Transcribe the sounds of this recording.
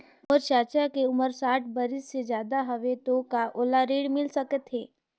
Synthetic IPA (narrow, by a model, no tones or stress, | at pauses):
ɔːɾt͡ʃaːt͡ʃakeʊməɾsaːʈʰbɐɾɪsːed͡ʒjaːd̪aɦɐʋet̪okaʔoːlaɾeːɽmɪlsɐkət̪ɦeː